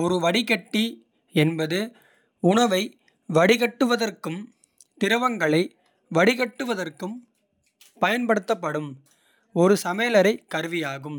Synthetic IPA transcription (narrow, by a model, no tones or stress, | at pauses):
ɔɾɯʋɐɽɪɣɐʈːi | ɛnbɐðɯ | ʊɳɐʋɐɪ | ʋɐɽɪɣɐʈːɯʋɐðɐrkɯm | t̪ɪɾɐʋɐŋɡɐɭɐɪ | ʋɐɽɪɣɐʈːɯʋɐðɐrkɯm | pɐjɐnpɐɽɯt̪ːɐpːɐɽɯm | ɔɾɯsɐmeːlɐɾɐɪkːɐɾɯʋɪjaːɣɯm